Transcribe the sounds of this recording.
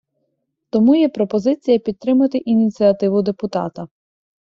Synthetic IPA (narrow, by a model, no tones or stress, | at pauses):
t̪ɔmujɛpɾɔpɔzɪt͡sʲijɐpʲid̪̚t̪ɾɪmɐt̪ɪʔinʲit͡sʲiɐt̪ɪʋʊd̪epʊt̪ɑ̰t̪ɐ